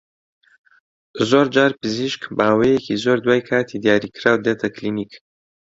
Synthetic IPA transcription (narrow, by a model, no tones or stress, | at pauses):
zoːɾd͡ʒaːɾpɨziʃkbaːwejekizoːɾd̪waːjkʰaːt̪ʰid̪ijaːɾikɾaːwd̪et̪ʰɐklinik